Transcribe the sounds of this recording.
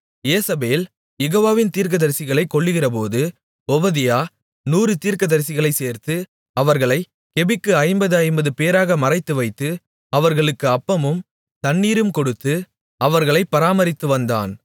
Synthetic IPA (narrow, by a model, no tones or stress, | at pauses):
jeːsɐbeːl | jɛɣoːʋaːʋɪnt̪iːɾk̬ɐðɐɾsɪɣɐɭɐɪkːɔɭːɯɣɪrɐp̬oːðɯ | ɔbɐðɪjaː | nuːrɯt̪iːɾkɐðɐɾsɪɣɐɭɐɪseːɾt̪ɯ | ɐʋɐɾɣɐɭɐɪ | kɛbɪkːɯɐɪmbɐðɯɐɪmbɐðɯpeːɾaːɣɐmɐrɐɪt̪ːɯʋɐɪt̪ːɯ | ɐʋɐɾɣɐɭɯkːɯɐpːɐmɯm | t̪ɐɳːiːɾɯmkɔɽɯt̪ːɯ | ɐʋɐɾɣɐɭɐɪpːɐɾaːmɐɾɪt̪ːɯʋɐnd̪a̰ːn